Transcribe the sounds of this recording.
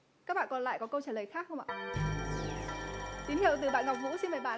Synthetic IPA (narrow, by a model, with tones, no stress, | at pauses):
kaː˦˥k̚ɓa̰ː˧˨kɔ˨˧nla̰ː˧˨jkɔ˨˦kə˧wt͡ɕaː˧˩lə˨˩jxaː˦˥k̚xə˧wʔa̰ː˧˨ | t̪i˨˦nhḭ˧˨əwt̪ɨ˨˩ɓa̰ː˧˨nŋa˨˩k͡p̚ŋṵ˧˥si˧nmaː˨˩jɓa̰ː˧˨